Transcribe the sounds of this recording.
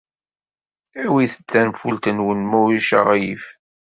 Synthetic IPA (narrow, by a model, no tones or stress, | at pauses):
æwiθə̥t͡s̪ːænfult̪ənwənmʊɾiʃə̰ʁjif